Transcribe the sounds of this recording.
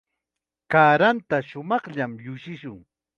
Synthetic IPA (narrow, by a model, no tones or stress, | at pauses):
kaːɾant̪aʃʊmɑχʎamʎʊʃɪʃʊŋ